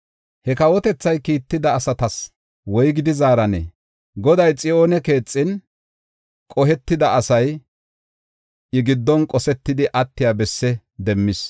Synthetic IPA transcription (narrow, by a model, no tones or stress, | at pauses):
hɛkɐwɔt̪ɛt͡sːɐjkiːt̪ːɪd̪ɐːsɐt̪ɐs | wɔjɡɪd̪ɪzaːɾɐnɛ̰ː | ɡɔd̪ɐjt͡sʼɪo̞ːnɛke̞ːt͡sʼːɪn | kʼɔɦɛt̪ːɪd̪ɐʔɐsɐj | ɪɡɪd̪ːɔnkʼɔsɛt̪ːɪd̪ɪʔɐt̪ːɪjaːbɛsːɛ | d̪ɛmːɪs